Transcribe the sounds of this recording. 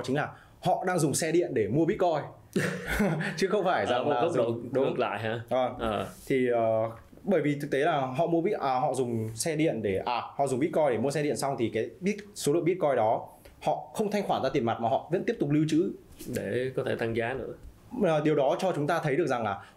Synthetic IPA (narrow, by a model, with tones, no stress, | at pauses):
t͡ɕï˨˦ŋ̟laː˨˩ | hɔ̰˧˨ɗaː˧ŋzʊ˨˩ŋ͡msɛ˧ɗḭ˧˨ənɗe˧˩mu˧əɓi˦˥t̚kɔ˧j | t͡ɕɨ˨˦xə˧wŋ͡mfaː˧˩jza˨ŋ˧˦aː˨˩ə˦˥ɗə̰˧˨ɗk̚la̰ː˧˨jɦaː˨˧˦vəː˨˩ŋʔəː˨˩t̪ʰi˨˩əː˨˩ | ɓəː˧˩jvi˨˩t̪ʰɨ˨˩k̚t̪e˨˦laː˨˩ɦɔ̰˧˨mu˧əɓḭ˦˥t̚ʔaː˨˩ɦɔ̰˧˨zʊ˨˩ŋ͡msɛ˧ɗḭ˧˨ənɗe˧˩ʔaː˨˩hɔ̰˧˨zʊ˨˩ŋ͡mɓḭ˦˥t̚kɔ˧jɗe˧˩mu˧əsɛ˧ɗḭ˧˨ənsa˧wŋ͡mt̪ʰi˨˩kaː˨˦jɓi˦˥t̚so˨˦lə̰˧˨ɓi˦˥t̚kɔ˧jɗɔ˨˦ | hɔ̰˧˨xə˧wŋ͡mt̪ʰa˧jŋ̟xwaː˧˩zaː˧t̪i˨˩əma˨˩t̚maː˨˩hɔ̰˧˨və̰˧˥nt̪i˦˥p̚t̪ʊ˨˩k͡p̚li˧wt͡ɕɨ̰˧˥ | ɗe˧˩kɔ˨˦t̪ʰe˧˩t̪ʰa˧ŋzaː˨˦nɨ̰˧˥ə | əː˨˩ɗi˨˩əwɗɔ˨˦t͡ɕɔ˧t͡ɕʊ˨˦ŋ͡mt̪aː˧t̪ʰə˨˦jɗɨ˨˩ək̚za˨˩ŋlaː˨˩